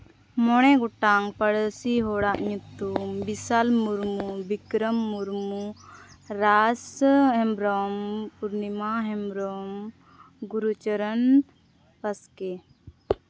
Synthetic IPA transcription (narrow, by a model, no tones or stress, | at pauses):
mɔɽ̃ɛɡɔʈaŋpəɽsiɦɔɽaʔɲut̪umbisalmuɾmubikɾəmːuɾmu | ɾasɦɛmbɾɔmpuɾnimaɦɛmbɾɔm | ɡuɾut͡ʃəɾən | pɐskɛ